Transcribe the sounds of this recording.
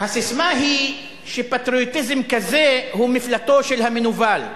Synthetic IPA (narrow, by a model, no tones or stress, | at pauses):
hasismaɦi | ʃepat̪ɾiot̪izemkazehumiflat̪o̞ʃelhamenuval